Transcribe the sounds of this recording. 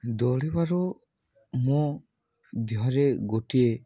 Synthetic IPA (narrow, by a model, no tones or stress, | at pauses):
d̪ɔlɛbaɾɔ | mɔ | d̪iɦaɾeɡoʈie